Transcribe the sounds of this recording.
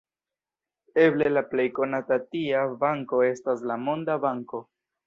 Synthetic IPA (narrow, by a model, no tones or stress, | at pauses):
e̞ble̞laple̞jko̞natatiabaŋko̞e̞staslamo̞ndabaŋko̞